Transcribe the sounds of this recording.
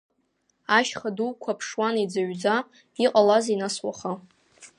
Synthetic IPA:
aʃχaduwkʷʰapʰʂwanid͡zaɥd͡za | iqʼalazinaswa̰χa

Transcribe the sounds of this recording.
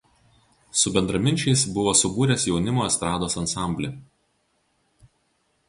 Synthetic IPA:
sʊbʲɛnd̪ɾɐmʲɪnʲt͡ʃʲɛɪsbʊʋoːsʊbuːɾʲɛsjɛʊnʲɪmoːɛst̪ɾɑːd̪oːsɐnsɑˑmʲbʲlʲe

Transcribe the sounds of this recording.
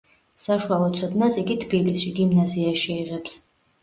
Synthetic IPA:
saʃualˠɔt̪sʰɔd̪nasiɡit̪ʰbilisʃiɡimnaziaʃiiʁɛps

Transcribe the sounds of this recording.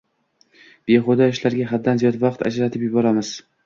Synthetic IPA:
b̥e̞χod̪ɒɪʃlaɾɡʲaɦad̪ːanzijɒd̪vɑqt̪ʰa̰d͡ʒɾat̪ʰɪpjʊbɒɾamɪz̥

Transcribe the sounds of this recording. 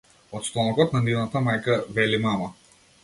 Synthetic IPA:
ɔt̪st̪ɔnɔkɔt̪nɐniwnat̪amajkavɛlimama

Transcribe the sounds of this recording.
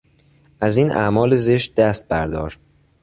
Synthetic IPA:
ʔæziːnʔæ̰mɒːleze̞ʃt̪̚d̪æst̪̚bæɾd̪ɒːɾ

